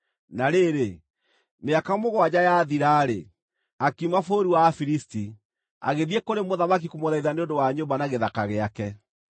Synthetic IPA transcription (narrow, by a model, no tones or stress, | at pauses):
naɾeɾe | meakamoɣwad͡ʑajaðiɾaːɾḛ | akimafoɾiwafiɾisti | a̰ɣeðiekoɾemoðamak̬ikomoðaiðaneondowaɲombanaɣeðakaɣeakɛ